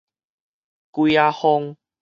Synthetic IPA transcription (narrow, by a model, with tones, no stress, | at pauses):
kwi˧a˧ho˧ŋ